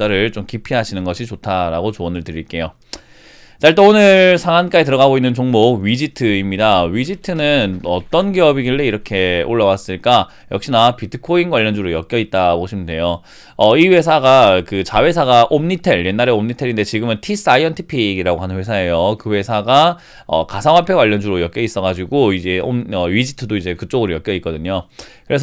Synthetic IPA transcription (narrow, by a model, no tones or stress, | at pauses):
aɾɯɭt͡ɕomkipʰiɦaɕʰinɯnɡʌɕʰit͡ɕotʰaɾa̰ɡot͡ɕoʌnɯɭtɯɾiɭk͈e̞jo | t͡ɕaɭt̬ʰeonɯɭsʰaŋank͈ait̬ɯɾʌɣaɡoinːɯnt͡ɕoŋmoɥid͡ʑitʰɯimɲidaɥid͡ʑitʰɯnɯnʌt͈ʌnɡiʌbiɡiɭːeiɾʌkʰe̞oɭːawas͈ɯɭk͈a | jʌkɕ͈inapitʰɯkʰoinɡwaʎːʌnd͡ʑuɾojʌk͈jʌit̚t͈aboɕʰimɯnde̞jo | ʌiwe̞sʰaɡakɯt͡ɕawe̞sʰaɡaʔomɲitʰe̞ɭje̞nːaɾe̞omɲitʰe̞ɾinde̞t͡ɕiɡɯmɯntʰis͈aiʌntʰipʰiɡiɾaɡoɦanɯnɸwesʰae̞jokɯwe̞sʰaɡa | ʌ̰kasʰaŋɦwapʰe̞ɡwaʎːʌnd͡ʑuɾojʌk͈jʌis͈ʌɣad͡ʑiɡoid͡ʑe̞o̰ʌɥid͡ʑitʰɯdoid͡ʑe̞kɯt͡ɕ͈oɡɯɾojʌk͈jʌik͈ʌdɯɲokkɯɾe̞s̬ʰ